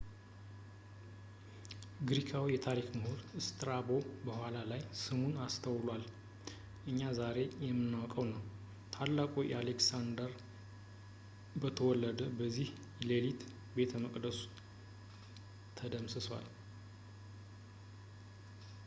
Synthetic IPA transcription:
ɡɾikʰawjɛt̪ʰaɾikməhoɾɨst̪ʼɨɾabo̞bəhʷalalajsɨmunast̪ʰəwlwal | ʔɨɲːazaɾe̞jɛmːɨnːawkʼəwnəw | t̪ʰalːakʼojʔɛaleksand̪əɾ | bət̪ʰəwɔlːəd̪əbəzːih | lelit̪ | be̞t̪ʰəməkʼd̪əsu̥ | t̪ʰəd̪əmsɨswa̰l

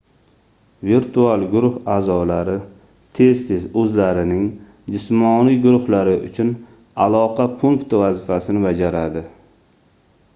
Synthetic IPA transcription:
viɾt̪ʰualɡʊɾʊhaːzɒlaɾɪ | t̪ʰe̞zt̪ʰe̞zɵzlaɾɪnɪŋ | d͡ʒɪsmɒnijɡʊɾʊhlaɾɪʔʊ̰t͡ʃʰʊn | alˠɒqʰɑpʰʊŋkt̪vazɪfasɪnɪbad͡ʒaɾad̪ɪ

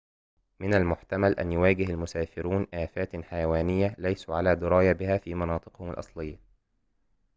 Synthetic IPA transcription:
mɪnalmʊħt̪amalʔa̰njʊwaːɡɪɦalmʊsaːfɪɾuːnʔaːfaːt̪ħajawaːnɪjːalajsuʕalaːd̪ʊɾˤɑːjabɪhæːfiːmɑnɑːt̪ˤɨ̥qhʊmalʔɑ̰sˤlɪjːa

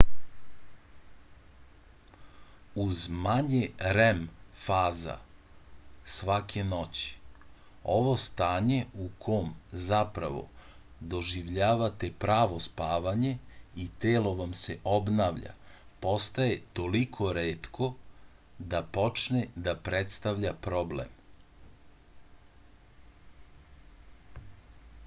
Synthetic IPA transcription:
uzmaɲeɾemfaːza̰ | sʋakʰe̞no̞t͡ɕi̥ | o̞ʋo̞st̪aːɲe̞ukʰo̞mzapɾa̰ʋo̞̰ | d̪o̞ʒiʋʎaːʋat̪e̞pɾaːʋo̞spaːʋaɲe̞it̪eːlo̞ʋamse̞ʔo̞bnaːʋʎa̰po̞st̪aje̞t̪o̞likʰo̞ɾeːt̪kʰo̞ | d̪apo̞t͡ʃned̪apɾet̪st̪aʋʎapɾo̞blḛm

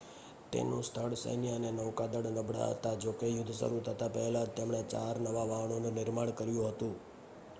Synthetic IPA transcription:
t̪ḛnṵ̃sʈʰəɽsə̰jnjanenəʋkad̪əɽnəbʱɽa̰ɦə̰t̪ad͡ʒokejʊd̪ʱːsə̰ɾut̪ʰət̪apəɦɛlat̪emɳ̃et͡ʃaɾnəʋaʋaɦɳ̃onũnɪɾmaɳkəɾjũɦət̪ũ

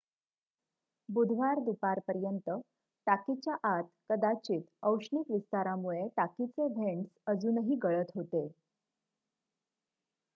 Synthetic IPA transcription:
bud̪ʱʋaɾd̪upaɾpəɾjənt̪ə | ʈakit͡ɕjaʔat̪kəd̪at͡ɕiːt̪əwʂɳikʋist̪aɾamuɭeʈakit͡seʋʱeɳsəd͡zuːnəɦiːɡəɭət̪ɦot̪e

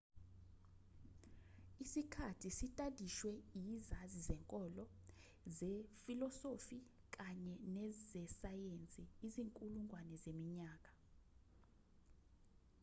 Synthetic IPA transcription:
isikʰatʰisitʼadʱiʃwɛjizazizɛŋkʼɔlɔ | zɛfilɔsofi | k̬aɲɛnɛzɛsajent͡sʼiːziŋkʼuluŋwanɛzemiɲaːk̬ʼḁ

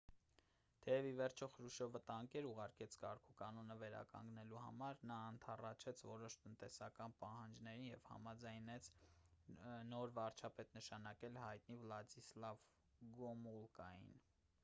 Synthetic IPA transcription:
t̪ʰɛjɛvivɛɾt͡ʃʰɔχɾuʃɔvət̪ɑŋkɛɾuʁɑɾkɛt͡sʰkɑɾkʰukɑnɔnəvɛɾɑ̰kɑ̰ŋɡnɛluhɑ̰mɑɾnɑːnt̪ʰɑrɑt͡ʃʰɛt͡sʰvɔɾɔʃt̪ənt̪ɛsɑkɑnpɑhɑnd͡ʒnɛɾinjɛv̥hɑ̰mɑd͡zɑjnɛt͡sʰ | nɔɾvɑɾt͡ʃʰɑpɛt̪nəʃɑnɑkɛlhɑjt̪nivlɑd͡ʒislɑv | ɡɔmulkɑjḭn

